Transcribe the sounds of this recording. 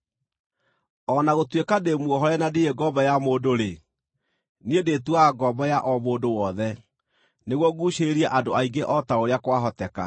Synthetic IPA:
ɔnaɣotwekademuɔɦɔɾɛnadieɡɔbɔjamoːdoɾe | niedeːtuaːɡɔbɔjaʔɔmoːdowɔðɛ | neɣwɔɣuɕeɾiaʔadoaiɡeʔɔtaoɾeakwaɦɔtɛka̰

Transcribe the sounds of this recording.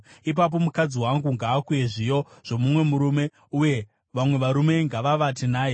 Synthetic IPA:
ip̬ap̬o̞mukad͡ziwaŋɡuŋɡaːkujeʐijo̞ʐ̥o̞mumwe̞muɾume̞ | uje̞ | ʋamwe̞ʋaɾume̞ŋɡaʋaʋatinaːje̞

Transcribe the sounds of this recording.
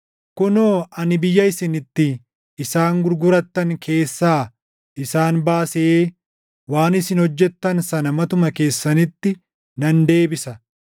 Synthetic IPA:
kʊnoːɐnɪbɪjːɐɪsɪnɪt̪ːɪː | saːŋɡʊɾɡʊɾɐt̪ːɐŋkʰe̞ːsːaː | ʔɪsaːnbaːseː | waːnɪsɪnhɔd͡ʒːɛt̪ːɐnsɐnɐmɐt̪ʊmɐke̞ːsːɐnɪt̪ːɪ | nɐnd̪e̞ːbɪsɐ

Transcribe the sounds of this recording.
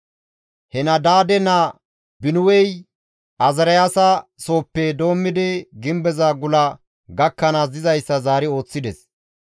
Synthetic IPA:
hɛnɐd̪aːd̪ɛnɐ | bɪnʊwɛj | ʔɐzɐɾɐjaːsɐso̞ːpːɛd̪o̞ːmːɪd̪ɛɡɪmbɛzaːɡʊlɐ | ɡɐkːɐnaːsɪzɐjsːɐzaːɾɪo̞ːt͡sːɪd̪ɛs

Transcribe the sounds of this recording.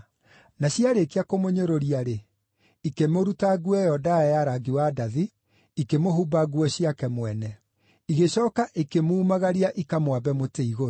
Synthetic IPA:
naɕiaɾekeakomoɲoɾoɾiaɾe | ikemoɾutaɣuɛjɔdajaɾaɡiwadaði | ikemoɦubaɣuɔɕijakɛmwɛnɛ | iɣeɕɔːkaʔikemuːmaɣaɾiaʔikamwabɛmoteiɣoɾo

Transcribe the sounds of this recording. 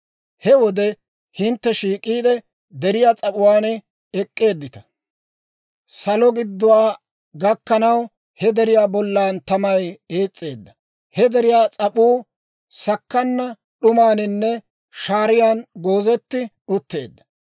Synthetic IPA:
hɛwɔd̪ɛ | hɪnt̪ːɛʃiːkʼiːd̪ɛ | d̪ɛɾɪjaːt͡sʼɐpʼʊwaːnɛ | ɛkʼːe̞ːd̪ːɪt̪ɐ̥ | sɐlɔɡɪd̪ːʊwaː | ɡɐkːɐnɐw | hɛd̪ɛɾɪjaːbɔlːaːnt̪ɐmɐjeːt͡sʼːe̞ːd̪ːɐ | hɛd̪ɛɾɪjaːt͡sʼɐpuː | sɐkːɐnːɐ | ɗʊmaːnɪnːɛ | ʃaːɾɪjaːnɡo̞ːzɛt̪ːɪ | ʊt̪ːe̞̰ːd̪ːɐ̥

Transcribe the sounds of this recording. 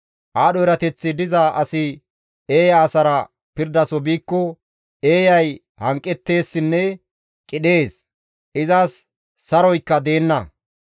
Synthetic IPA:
ʔaːɗɔɪɾɐt̪ɛt͡sːɪd̪ɪzaʔɐsɪ | eːjaːsɐɾɐ | pɪɾd̪ɐsɔbiːkːɔ | e̞ːjɐj | hɐŋkʼːɛt̪ːe̞ːsːɪnːɛ | kʼɪɗe̞ːs | ʔɪzɐsː | ɐɾɔjkːɐd̪e̞ːnːɐ

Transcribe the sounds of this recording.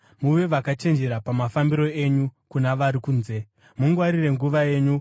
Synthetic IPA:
muʋe̞ʋakat͡ʃe̞nd͡ʒe̞ɾapamafambiɾo̞e̞ɲukunaʋaɾikuːnze̞ | muŋɡwaɾire̞ŋɡuʋaje̞ːɲu

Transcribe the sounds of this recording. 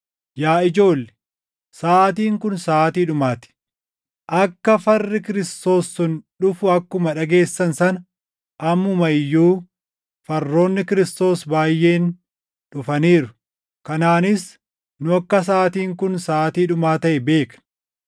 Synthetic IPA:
jaːɪd͡ʒo̞ːlːɛ̥ | saːt̪̬iːŋkʊnsaːt̪iːᶑʊmaːt̪ɪ̥ | ʔɐkːɐfɐrːɪkɪɾɪst̪o̞ːsːʊnᶑʊfʊɐkːʊmɐᶑɐɡe̞ːsːɐnsɐn | ʔɐmːʊmɐjːuː | fɐrːo̞ːnːɪkɪɾɪst̪o̞ːsbaːjːe̞ːn | ᶑʊfɐniːɾʊ̥ | kɐnaːnɪs | nʊɐkːɐs̬aːt̪iːŋkʊnsaːt̪iːᶑʊmaːt̪ɐʔɛbe̞ːkn

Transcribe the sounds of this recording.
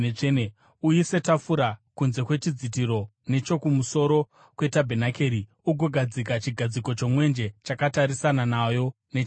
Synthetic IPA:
ene | ujise̞tafuɾakunze̞kwe̞t͡ʃid͡zit̬iɾo̞ne̞t͡ʃo̞kumuso̞ɾo̞ | kwe̞tabʱe̞nake̞ːɾi | uɡʱoɡʱad͡zikat͡ʃiɡʱad͡ziko̞t͡ʃo̞mwe̞nd͡ʒe̞t͡ʃakataɾisananajo̞ | net͡ʃ

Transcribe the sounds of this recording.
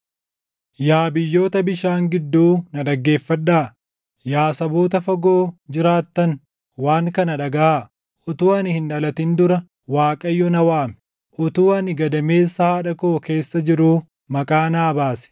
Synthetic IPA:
jaːbɪjːo̞ːt̪ɐbɪʃaːŋɡɪd̪ːuːnɐᶑɐɡːe̞ːfːɐᶑːaː | jaːsɐboːt̪ɐfɐɡoːd͡ʒɪɾaːt̪ːɐn | waːŋkɐnɐᶑɐɡɐa | ʔɔt̪uːɐnɪhɪnᶑɐlɐt̪ɪnd̪ʊɾɐ | waːkʼɐjːɔnɐwaːmɛ̥ | ʔɔt̪uːɐnɪɡɐd̪ɐme̞ːsːahɐᶑɐkoːke̞ːsːɐd͡ʒɪɾuː | mɐkʼaːnaːbaːsɛ̥

